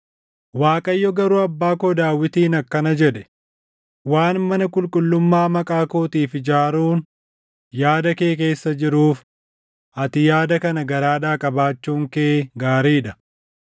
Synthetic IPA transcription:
waːkʼɐjːɔɡɐɾuːɐbːaːkoːd̪aːwːɪt̪iːnɐkːɐnɐd͡ʒɛᶑɛ | waːnmɐnɐkʼʊlkʼʊlːʊmːaːmɐkʼaːkoːt̪iːfɪd͡ʒaːɾuːn | jaːd̪ɐke̞ːk̬e̞ːsːɐd͡ʒɪɾuːf | ʔɐt̪ɪjaːd̪ɐkɐnɐɡɐɾaːᶑaːkʼɐbaːt͡ʃːuːŋkɛʔeːɡaːɾiːᶑɐ

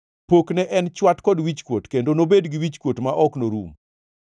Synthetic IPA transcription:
poknɛʔɛnt͡ʃwatkɔdwit͡ʃkwotkendonobedɡiwit͡ʃkwotmaʔɔknoɾṵm

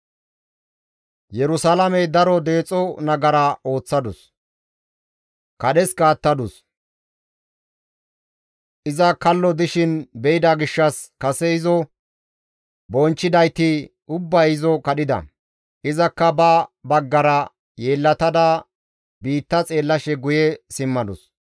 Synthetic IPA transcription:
jɛɾʊsalɐmɛd̪ɐɾɔd̪e̞ːt͡sʼɔnɐɡɐɾɐʔo̞ːt͡sːɐd̪ʊs | kɐɗɛsɡaːt̪ːɐd̪ʊs | ʔɪzɐkɐlːɔd̪ɪʃɪnbɛɪd̪aɡɪʃːɐskɐsɛɪzɔ | bɔnt͡ʃːɪd̪ɐjt̪ɪ | ʊbːɐjɪzɔkɐɗɪd̪ɐ̰ | ʔɪzɐkːɐbɐbɐɡːɐɾɐ | jeːlːɐt̪ɐd̪ɐ | biːt̪ːɐt͡sʼe̞ːlːɐʃɛɡʊjɛsɪmːɐd̪ʊs

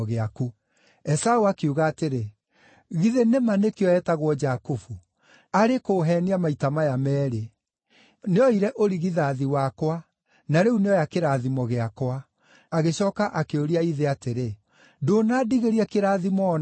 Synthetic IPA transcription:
ɣeaku | ɛsauakeuɣaːteɾe | ɣiðenemanekeɔɛtaɣwɔd͡ʒakufu | aɾekoːɦɛniamaitamajamɛːɾe | neɔiɾɛʔoɾiɣiðaːðiwakwa | naɾeuneɔjakeɾaðimɔɣeakwaː | ɣeɕɔːkaʔakeoɾiaiðeateɾe | donaːdiɣeɾiakeɾaːðimɔn

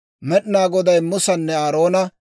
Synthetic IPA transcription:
mɛɗnaːɡɔd̪ɐjmʊsɐnːɛaːɾo̞ːnɐ

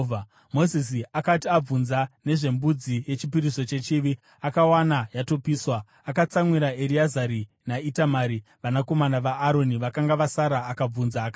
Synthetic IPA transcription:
mo̞zis̬iakatiab͡vunzane̞ʐe̞mbud͡zije̞t͡ʃipiɾiso̞t͡ʃe̞t͡ʃiʋi | akawanajato̞piːswaː | kat͡samwiɾaeɾiazaɾi | naitamaːɾiʋanako̞manaʋaːɾo̞niʋakaŋɡaʋasaɾaːkab͡vunzaːka

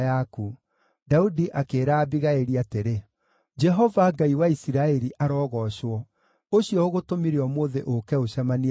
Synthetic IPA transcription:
jaku | daudiʔakeːɾaːbiɣaeɾiateɾe | d͡ʒɛɦɔvaŋɡaiwaisiɾaɛɾiʔaɾɔːɣɔɕwɔ | oɕjɔoɣotomiɾeɔmoːðeʔokɛoɕamani

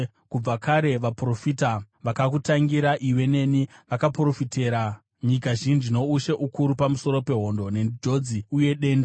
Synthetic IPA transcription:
kub͡vakaɾe̞ʋapuro̞fiːta | ʋakak̬utaŋɡiɾaʔiwe̞ne̞niʋakapuro̞fite̞ːɾa | ɲikaʒind͡ʒino̞uʃe̞ʔukuɾupamuso̞ɾo̞pe̞ɦo̞ndo̞ne̞ndʱo̞d͡ziuje̞ɗe̞ːnda

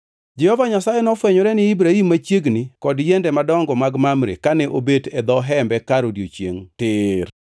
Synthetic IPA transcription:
d͡ʒɛhɔvaɲasajɛnɔfwɛɲɔɾɛnɪːbɾaimːat͡ʃjeɡnɪkɔdjɛndɛmadɔŋɡɔmaɡmamɾḛkanɛʔo̰bedɛd̪ɔɦɛmbɛkaɾodjot͡ʃjḛŋtɪr

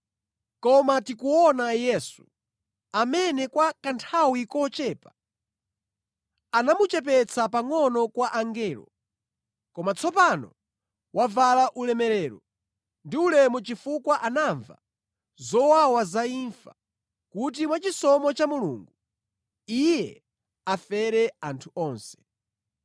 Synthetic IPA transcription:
kɔmatikuɔnajɛsu | amɛnɛkwakantʰawikɔt͡ʃɛːpa | anamut͡ʃɛp̬ɛt͡sʰapaŋɔnɔkwaʔaŋɡɛːlɔ̰ | kɔmat͡sʰɔpanɔ̰ | wʔavalaʔulɛmɛɾɛːɾɔ | ndiulɛmɔt͡ʃifukwaʔanaɱva̰ | zɔwawazaiːɱfa | kut̬imwat͡ʃisɔmɔt͡ʃamulṵŋɡu | ijɛ | afɛɾɛantʰuɔːnsɛ̥

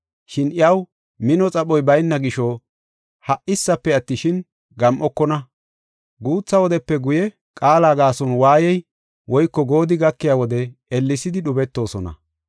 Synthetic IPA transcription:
ʃɪnɪjɐw | mɪnɔt͡sʼɐɓɔjbɐjnːɐɡɪʃɔ | hɐʔɪsːɐpːɛɐt̪ːɪʃɪn | ɡɐmʔɔkːɔnɐ | ɡuːt͡sːɐwɔd̪ɛpːɛɡʊjɛ | kʼaːlaːɡaːsɔnwaːjɛj | wɔjkːɔɡo̞ːd̪ɪɡɐkːɪjawɔd̪ɛɛlːɪsɪd̪ɪɗʊbɛt̪ːo̞ːsɔnɐ̰

